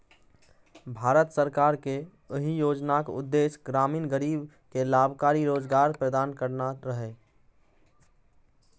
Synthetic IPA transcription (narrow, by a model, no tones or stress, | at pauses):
bʱaːɾət̪səɾkaːɾke | əɦijoːd͡ʒnakʊ̰d̪ːeːsɡɾaːmiːnɡəɾiːb | kelaːbʱkaːɾiɾoːd͡ʒɡaːɾpɾəd̪aːnkəɾnaɾəɦeː